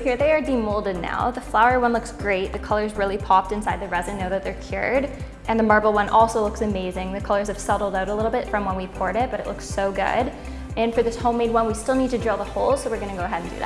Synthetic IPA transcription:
hiɹðeɪə˞dimoʊlˠdɨdⁿna̰ʊðɨflaʊə˞wʌ̃nlʊksɡ̥ɹeɪt̪̚ðɨkʰʌlˠə˞zɹɪlˠipʰɑp̚tɨ̃nsaɪd̪̚ðɨɹɛzɨ̃noʊðɨt̪̚ðə˞kʰj̥ʊ̰ɹɾ | ʔɨ̃nðɨmɑɹbl̩ˠwʌ̃nʔɔlˠsoʊlʊksɨmeɪzɪ̃ŋðɨkʰʌlˠə˞z̥ɨv̥sʌɾl̩ˠdaʊɾəlɪɾl̩ˠbɪtfɹʌ̃mwə̃nwipʰɔɹɾɪt̚b̥ʌɾɨ̰ʔˡlʊksoʊɡʊ̰ɾ | ɨ̃nfə˞ðɪshõʊ̃meɪd̚wʌ̃nwistɪlˠnid̚tɨdɹɪlˠðəhoʊl̥ˠsoʊwɨɹɡʌñɨɡoʊəɦɛɾn̩dɨ̰ðæ̰

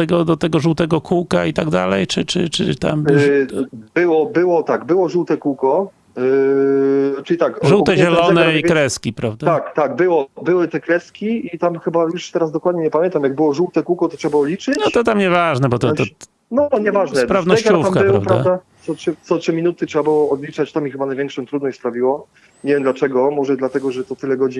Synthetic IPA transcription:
ɛɡɔd̪ɔt̪ɛɡɔʐuwt̪ɛɡɔkʰuwkait̪aɡd̪a̰lɛjt͡ʂɘt͡ʂɘt͡ʂɘ̰t̪a̰m | bɘwɔbɘwɔt̪aɡbɘwɔʐuwt̪ɛkuwkɔ | t͡ʂɘlʲit̪akʐuwt̪ɛʑɛlɔnɛikɾɛskʲipɾavd̪aakt̪aɡ̚bɘwɔbɘwɘt̪ɛkɾɛskʲiit̪amxɘbajuʂt̪ɛɾazd̪ɔkwad̪ɲɛɲɛpamʲjɛnt̪amjaɡ̚bɘwɔʐuwt̪ɛkuwkɔt̪ɔtʂɛbabɨɔd̪lʲit͡ʂɘnt̪ɔt̪amɲɛvaʐnɛbɔt̪ɔt̪ɔ | nɔɲɛvaʐnnɛspɾavnɔʃt͡ɕufakmkbwpɾavpɾavad̪at̪sɔtʂɘt̪sɔtʂɘmʲinut̪ɘtʂɛbabɨwɔːd̪lʲit͡ʂat͡ɕt̪amʲixɘbanajvʲɛŋkʂɔ̃t̪ɾud̪nɔɕt͡ɕʲspɾavʲiwɔ | ɲɛvʲjɛmd̪lat͡ʂɛɡɔmɔʐɛd̪lat̪ɛɡɔʐɛt̪ɔt̪ɘlɛɡɔd͡ʑi

